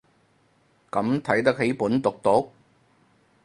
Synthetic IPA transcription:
kɐ˨˥mt̪ʰɐ˨˥jt̪̬ɐ˥k̚he˨˥jpuː˨˥nt̪ʊ˨k̚t̪ʊ˨˥k̚

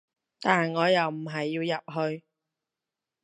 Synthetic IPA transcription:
t̪aː˨nŋɔː˨˧jɐ˨wm̩˨˩ɦɐ˨jːiː˧wjɐ˨p̚ɦɵ˧ɥ

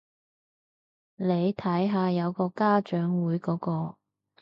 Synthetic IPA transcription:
le˨˧jt̪ʰɐ˨˥jɦaː˧jɐ˨˧wkɔː˧kaː˥t͡ʃœː˨˥ŋwuː˨˥jkɔː˨˥kɔː˧

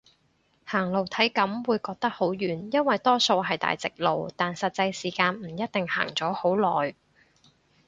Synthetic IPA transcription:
haː˨˩ŋlo˨˩wt̪ʰɐ˨˥jkɐ˨˥mwuː˨˧jkɔː˧k̚t̪ɐ˥k̚ho˨˥wjyː˨njɐ˥nwɐ˨jt̪ɔː˥so˧wɦɐ˨jt̪a̰ː˨jt͡sɪ˨k̚lo˨wt̪aː˨nsɐ˨t̚t͡sɐ˧jsiː˨˩kaː˧nm̩˨˩jɐ˥t̚t̪ɪ˨ŋha̰ː˨˩ŋt͡sɔː˨˥ho˨˥wlɔː˨˩j

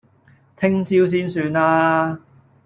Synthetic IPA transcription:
t̪ʰɪ˥ŋt͡siː˥ws̬iː˥nsyː˧naː˥

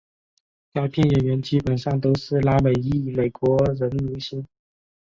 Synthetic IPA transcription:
ja˥˧ʊpʰjɛ˥˩nɥɛ˨˩nɥɛ˧˥nt͡ɕi˧˥pə˨˩nʂɑ˥˩ŋt̪o˥ʊʂɻ̩˥˩la˧˥me˨˩ɪi˥˩me˨˩ɪkwɔ˧˥ɻə˧˥nlu˧˥ɕi˥n

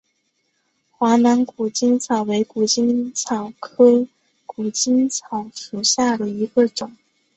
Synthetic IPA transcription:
xwa˧˥na˧˥nku˨˩t͡ɕi˥nt͡sʰɑ˨˩ʊwe˧˥ɪku˨˩t͡ɕi˥nt͡sʰɑ˨˩ʊkʰɤ˥ | ku˨˩t͡ɕi˥nt͡sʰɑ˨˩ʊʂu˨˩ɕja˥˩d̪ə˩i˧˥ɡə˧ʈ͡ʂʊ˨˩˦ŋ

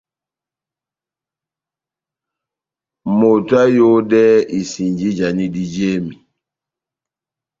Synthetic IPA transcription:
mo˨twa˦jo˦dɛ˦i˨si˨ɲd͡ʒi˦d͡ʒa˨ni˦di˦d͡ʒe˦mi˨

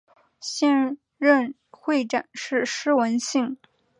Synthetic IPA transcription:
ɕjɛ˥˧n | ɻə˥˧n | xwe˥˩ɪʈ͡ʂa˨˩nʂɻ̩˥˩ʂɻ̩˥wə˧˥nɕi˥˩ŋ

